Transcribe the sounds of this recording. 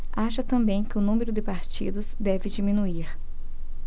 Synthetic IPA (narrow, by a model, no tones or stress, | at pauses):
aʃɐt̪ɐ̃mbẽj̃kɪʊnũmeɾʊd̪ɪpaɾt͡ʃḭd̪ʊzd̪ɛvɪd͡ʒimĩnuiɾ